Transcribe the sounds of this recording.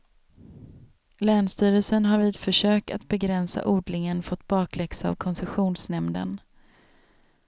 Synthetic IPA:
lɛːnst̪yːɾəlsənɦaɾviːd̪fœʂøːk̚a̰t̪̚bɛɡɾɛnsa̰ʔuːɖlɪŋənfɔt̪ːbɑːkʰlɛksa̰vkʰɔnsɛɧuːnsnɛmd̪ə̰n

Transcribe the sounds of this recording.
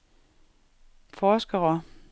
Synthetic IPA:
fɒːsɡ̥ɐʁɐ

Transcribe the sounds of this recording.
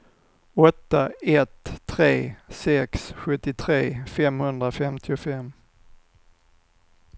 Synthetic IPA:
ɔt̪ːaɛt̪ʰːɾeːsɛksɧɵt̪ːɪt̪ʰɾeːfɛmhɵnd̪ɾafɛmt̪ʰɪʊfɛm

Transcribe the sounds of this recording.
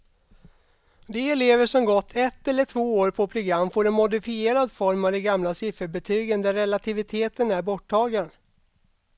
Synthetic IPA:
d̪ɛːleːvəʂɔmɡɔt̪ʰːɛt̪ːɛlːəʈʰvoːoːɾpʰɔpʰɾʊɡɾamːfoːɾɛnmʊd̪ɪfɪeːɾad̪fɔɾmavd̪ɛɡamlasɪfəɾbɛt̪ʰyːɡənd̪æɾːɛlat̪ʰɪvɪt̪ʰeːt̪ʰənæɾbɔʈʰːɑːɡən

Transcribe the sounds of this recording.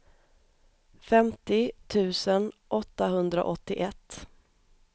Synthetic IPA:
fɛmt̪ɪt̪ʰʉ̟ːsənʔɔt̪ːaɦɵnd̪ɾa̰ʔɔt̪ːɪʔɛt̪ː

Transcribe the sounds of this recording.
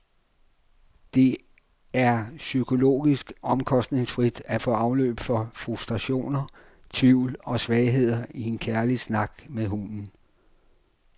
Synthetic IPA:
d̥e̝ | æɐsykʰo̝lo̝̰ːɡ̥isɡ̥ɒ̽mkʰɒ̽sd̥ne̝ŋsfʁid̥æfɔ̰ːɑ̈ʊlø̰ːb̥fɒ̽fʁusd̥ʁɑɕo̝̰ːnɐ | t͡sʰʋiʊ̰lɒ̽sʋɛɪɦe̝ð̞̰ˠɐie̝nkʰæɐlisnɑ̈ɡ̥meðˠɦunn̩

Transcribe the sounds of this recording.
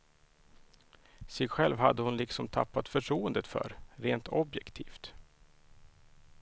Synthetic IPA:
sɛjɧɛlvhad̪ːəhʊnlɪksɔmt̪ʰa̰pːat̪fœʈʰɾuːənd̪ət̪fœ̰ɾɾeːnt̪ɔbjɛkt̪ʰiːft̪

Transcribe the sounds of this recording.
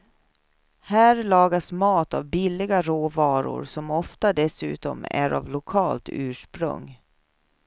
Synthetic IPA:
hæːɾlɑːɡasmɑːt̪avbɪlːɪɡaɾoːvɑːɾʊ̰ɾsɔmɔft̪ad̪ɛsʉ̟̰ːt̪ɔ̰mæ̰ɾa̰vlʊkʰɑːlt̪ʉ̟ːʂpɾɵ̰ŋ

